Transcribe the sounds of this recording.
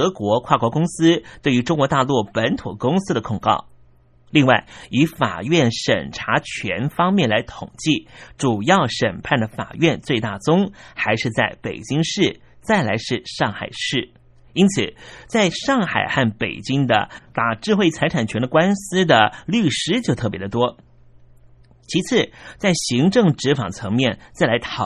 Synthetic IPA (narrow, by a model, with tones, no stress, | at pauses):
ɤ˧˥kwɔ˧˥kʰwa˥˩kwɔ˧˥kʊ˥ŋsɹ̩˥t̪we˥˩y˧˥ʈ͡ʂʊ˥ŋkwɔ˧˥t̪a˥˧lu˥˩pə˧˥nt̪ʰu˨˩kʊ˥ŋsɹ̩˥d̪ə˨kʰʊ˨˩ŋkɑ̰˥˩ʊ | li˥˧ŋwa˥˩ɪi˧˥fa̰˨˩ɥɛ˥˩nʂə̰˨˩nʈ͡ʂʰa˧˥t͡ɕʰɥɛ˧˥nfɑ˥ŋmjɛ˥˩nla˧˥ɪt̪ʰʊ˨˩ŋt͡ɕi˥˩ʈ͡ʂu˨˩jɑ˥˩ʊʂə˨˩npʰa˥˩nd̪ə˩fa̰˨˩ɥɛ˥˧nt͡swe˥˧ɪt̪a˥˩t͡sʊ˥ŋxa˧˥ɪʂɻ̩˥˧t͡sa˥˩ɪpḛ˨˩ɪt͡ɕi˥ŋʂɻ̩˥˩ | t͡sa˥˩ɪla˧˥ɪʂɻ̩˥˧ʂɑ˥˩ŋxa˨˩ɪʂɻ̩˥˩ | i˥nt͡sʰɹ̩˨˩˦t͡sa˥˧ɪʂɑ˥˩ŋxa̰˨˩ɪxa˥˩npe˨˩ɪt͡ɕi˥ŋd̪ə̰˨t̪a˨˩ʈ͡ʂɻ̩˥˧xwe˥˩ɪt͡sʰa˧˥ɪʈ͡ʂʰa˨˩nt͡ɕʰɥɛ˧˥nd̪ə˧kwa˥nsɹ̩˥d̪ə˨ly˥˩ʂɻ̩˥t͡ɕjo˥˧ʊt̪ʰɤ˥˩pjɛ˧˥d̪ə˧t̪wɔ˥ | t͡ɕʰi˧˥t͡sʰɹ̩˥˩t͡sa˥˩ɪɕi˧˥ŋʈ͡ʂɤ˥˩ŋʈ͡ʂɻ̩˧˥fɑ˨˩ŋət͡sʰɤ˧˥ŋmjɛ˥˩nt͡sa˥˩ɪla˧˥ɪt̪ʰɑ˨˩